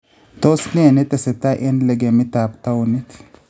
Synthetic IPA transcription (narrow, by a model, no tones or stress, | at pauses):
t̪osnɪɛnɛt̪ɛsɛt̪ːaʔɛnlɛɡɛmɪt̪aːbt̪ɐwʊnːɪt̪